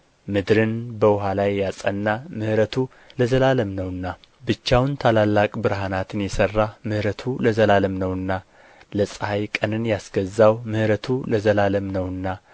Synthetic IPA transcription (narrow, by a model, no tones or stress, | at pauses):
mɨd̪ɾɨnbəwʊɦalajːasʼənːamɨhɾət̪ʰu | ləzəlaləmnəwɨnːa | bɨt͡ʃːawnt̪ʰalalːakʼbɨɾɦanat̪ʰɨnjɛsərːamɨhɾət̪ʰuləzəlaləmnəwɨnːa | ləsʼhajkʼənɨnjasɡəzːawmɨhɾət̪ʰuləzəlaləmnəwɨnːa